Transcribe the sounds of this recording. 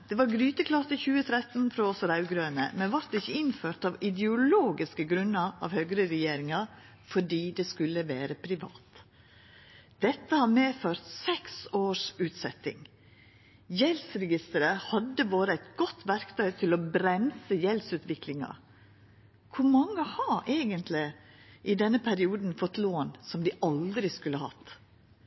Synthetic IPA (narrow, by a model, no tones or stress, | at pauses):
d̪̥ɛːʋɑɾɡɾyːt̪əkʰlɑt̪əçʉːət̪ʰɾɛt̪n̩fɾoɔsɾɑʉɡɾøːnə̰mɛnʋɑɾt̪ɪçːəɪnføːɾʈ̪ɑʋɪd̪ɛʊloːɡɪskəɡɾʉnːɑɑ̰ːʋhøɡɾəɾɛjeːɾɪŋɑ | fɔɖiːd̪ɛskʉlːəʋæːɾəpʰɾɪʋɑ̰ːt̪ | d̪̥ɛt̪ːəhɑːɾmeːføːɾt̪sɛksoːʂʉːt̪sɛt̪ɪ̰ŋ | jɛlsɾɛɡɪst̪əɾəhɑd̪ːəʋoːɾəæɪt̪ɡɔt̪ʰːʋæɾkt̪ʰœʏt̪ʰɪlɔbɾɛmsəjɛlsʉːt̪ʋɪklɪŋɑ̰ | kʰʊɾmɑŋːəhɑʔeːɡənt̪ʰlɪ | ʔɪd̪ɛnːəpʰæɾɪuːd̪n̩fɔt̪ːloːnsɔmd̪ɪʔɑld̪ɾɪskʉlːəhɑ̰t̪ː